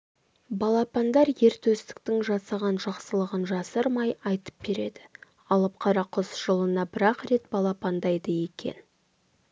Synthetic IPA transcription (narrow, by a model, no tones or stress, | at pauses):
bɑlˠɑpɑnd̪ɑɾje̞ɾt̪ɵst̪ɪ̥k̚t̪ɪŋʒɑsɑʁɑnʒɑqsəlˠəʁənʒɑsəɾmɑjɑjt̪ə̥p̚be̞ɾe̞d̪ɪ | ɑlˠəp̚qʰɑɾɑqʰʊsʒ̥əlˠənɑbɪɾɑqɾe̞t̪bɑlˠɑpɑnd̪ɑjd̪əje̞kʲʰe̞̰n